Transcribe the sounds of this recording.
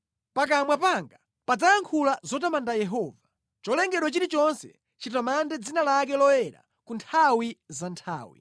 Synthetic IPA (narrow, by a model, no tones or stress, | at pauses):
pak̬amwapaŋɡa | pad͡zajaŋkʰulazɔtamandajɛɦɔːva | t͡ʃɔlɛŋɡɛɗwɔt͡ʃiɾit͡ʃɔnsɛ̰ | t͡ʃit̬ɔmandɛd͡zinalakɛlɔwɛɾa̰ | kuntʰawizantʰa̰ːwḭ